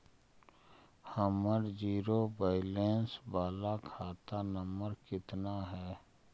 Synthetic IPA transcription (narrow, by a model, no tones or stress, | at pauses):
həməɾd͡ʒiːɾobaːɪleːnsbaːlakʰaːt̪anəməɾkɪt̪naɦɛː